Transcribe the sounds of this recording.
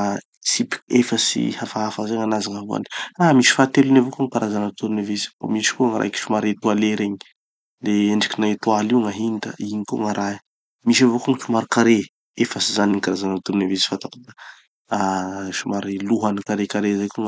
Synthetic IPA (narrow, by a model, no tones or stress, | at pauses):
sipi̥kefəsḭhafaɦafazaŋanazaŋaɦua̰ni̥amiʃi̥fat̪elunavokoŋikaɾazanant̪uɾunevesi̥fo̰miʃi̥kuŋaɾa̰ki̥ʃumaɾet̪ualeɾeɲi̥ | d̪eeɳɖ͡ʐikinat̪waliwŋaɦint̪ə̰iɲikuŋaɾa | miʃ̬avokuŋʃumaɾikaɾe | efəsizaniŋkaɾazanant̪uɾunevesi̥fat̪aku̥d̪ḁ | aʃumaɾiluɦanikaɾekaɾezajkuŋ